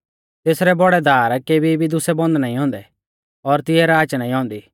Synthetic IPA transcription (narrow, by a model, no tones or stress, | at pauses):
t̪eːsɾɛbɔɽɛd̪ʱaːɾkeːbibʱid̪ʊsɛbɔ̃nd̪naːĩɦɔ̃ːnd̪ɛ | ɔɾt̪ɪɛɾaːt͡ʃnaːĩɦɔ̃ːnd̪iː